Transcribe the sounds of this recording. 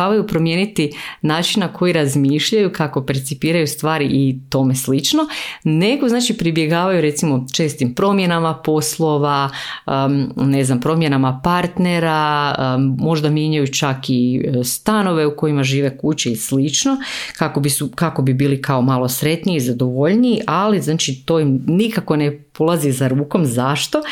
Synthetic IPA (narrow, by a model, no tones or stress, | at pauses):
aʋajupɾo̞mjenit̪inaːt͡ʃinnakʰo̞jiɾazmiːʃʎajukako̞pe̞ɾt̪sipiːɾajust̪ʋaːɾiʔit̪o̞me̞slit͡ʃno̞ne̞ɡo̞znaːt͡ʃipɾibje̞ɡaːʋajuɾe̞t̪simo̞t͡ʃe̞st̪impɾo̞mje̞namapo̞slˠo̞ʋaəne̞znampɾo̞mje̞namapaɾt̪ne̞ɾa | mːo̞ʒd̪amjeɲajut͡ʃakist̪ano̞ʋe̞uko̞jimaʒiːʋe̞kut͡ɕeislit͡ʃno̞kako̞bisukako̞bibiːlikao̞malˠo̞sɾe̞t̪niiːzad̪o̞ʋo̞ʎniːʔaliznaːt͡ʃit̪o̞ːjimnikako̞nepolˠazisaɾuːko̞mzaʃt̪o̞